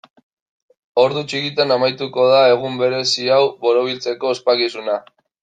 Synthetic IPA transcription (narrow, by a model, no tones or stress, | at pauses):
o̞ɾðut͡ʃikit̪anamajt̪uko̞ð̞ae̞ɣ̞umbe̞ɾe̞siawβo̞ɾoβ̞ilt͡se̞ko̞espakisuna